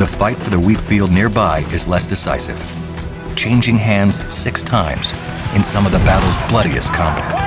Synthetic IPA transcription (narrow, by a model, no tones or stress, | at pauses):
ðəfaɪtfə˞ðəwipfilˠdⁿnɪɹbaɪʔɨzlɛsd̥ɨsa̰ɪsɨ̰v̥ | t͡ʃʰẽɪ̃nd͡ʒɪ̃ŋɦæ̃ndz̥sɪkstʰãɪ̃mz̥ | ʔɨ̃nsʌ̃mʌvðəbæɾl̩ˠzblʌɾiɨ̰skʰɑ̃mbæ̰t̚